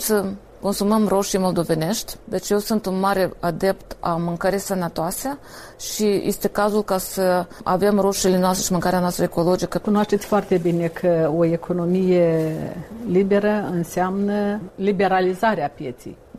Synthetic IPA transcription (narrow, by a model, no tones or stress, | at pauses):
sə | ko̞nsuməmro̞ʃijmo̞ld̪o̞ve̞ne̞ʃt̪ʲd̪e̞t͡ʃjewsɨnt̪unmaɾe̞ad̪e̞pt̪a̰mɨŋkəɾijsənət̪oase | ʃijʔest̪e̞kazulkasəa̰ve̞mro̞ʃilenoast̪ɾeʃimɨŋkaɾeanoast̪ɾəeko̞lo̞d͡ʒikəkunoaʃt̪et̪sʲfoart̪e̞bine̞kʰəo̞ekʰo̞no̞mije | libe̞ɾəɨnseamnəlibe̞ɾalizaɾeapje̞t̪sḛj